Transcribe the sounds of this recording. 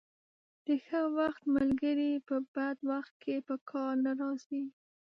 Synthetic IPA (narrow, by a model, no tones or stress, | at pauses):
d̪̥əxəwaxt̪malɡəɾipəbad̪waxt̪̚kʰepəkʰɑɾnaɾɑsi